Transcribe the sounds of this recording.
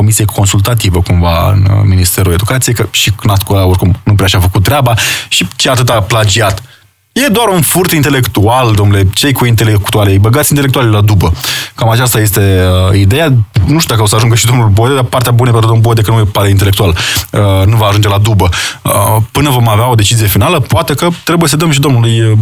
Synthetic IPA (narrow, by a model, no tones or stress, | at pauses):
ko̞misijekʰo̞nsult̪at̪̬ivəkumvaɨ̰nminist̪e̞ɾue̞d̪ukat̪sijekəʃiknat̪kolaorkumnup̬ɾeaʃiafəkut̪̚t̪ːɾeabaʃit͡ʃeat̪ɨt̪aplad͡ʒiat̪ | je̞d̪oaɾunfurt̪int̪e̞le̞kt̪uald̪omnule̞t͡ʃe̞jkuint̪̬e̞lekt̪ualejbəɡat̪sʲint̪elek̚t̪ualʲlad̪ubəkamat͡ʃast̪aje̞st̪e̞əid̪e̞januʃt̪ud̪akəo̞səaʒuŋɡəʃid̪o̞mnulbod̪ed̪apart̪eabunepenɾud̪omlbod̪e̞kənujepaɾeint̪ele̞k̚t̪ualənuvaːʒund͡ʒe̞lad̪ubəə̰pɨnəvo̞maveao̞d̪e̞t͡ʃizie̞finaləpoat̪e̞kət̪ɾe̞buje̞səd̪əmʃ̬id̪o̞mnuluj